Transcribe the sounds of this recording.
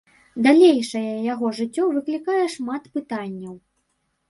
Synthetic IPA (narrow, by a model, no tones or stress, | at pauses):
d̪alʲejʂɐjɐjaɣɔʐɨt͡sʲːɔvɨklʲikajɛʂmat̪pɨt̪anʲːɐw